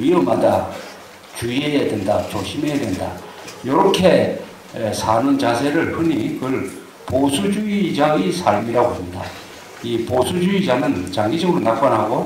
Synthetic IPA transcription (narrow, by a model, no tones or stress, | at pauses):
iɾɯmada | t͡ɕuiejedwendat͡ɕoɕʰimejedwenda̰ | jʌɾʌkʰe̞ | sʰanunt͡ɕasʰe̞ɾɯɭɸɯnikɯɭ | posʰud͡ʑuid͡ʑaŋisʰaɭmiɾaɡohamida | iposʰud͡ʑuid͡ʑaŋɯnt͡ɕaŋɡid͡ʑʌɡɯɾonak̚p͈anɦaɡo